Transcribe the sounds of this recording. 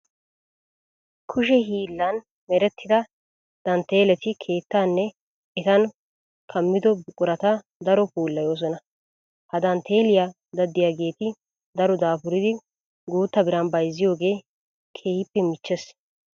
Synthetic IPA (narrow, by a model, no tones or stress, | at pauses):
kʰʊʃɛɦiːlːɐn | mɛɾɛt̪ːɪd̪ɐ | d̪̥ɐnt̪ːe̞ːlɛt̪ɪkʰe̞ːt̪ːanːɛ | ɛt̪ɐn | kʰɐmːɪd̪ɔbɪkʼʊɾɐt̪ɐ | d̪ɐɾɔpuːlːɐjo̞ːs̬ɔnɐ | hɐd̪ɐnt̪ʰe̞ːlɪja | d̪ɐd̪ːɪjaːɡe̞ːt̪ɪ | d̪ɐɾɔd̪aːpʊɾɪd̪ɪ | ɡuːt̪ːɐbɪɾɐnbɐjzːɪjo̞ːɡe̞ː | kʰeːhɪpːɛmɪt͡ʃːɛs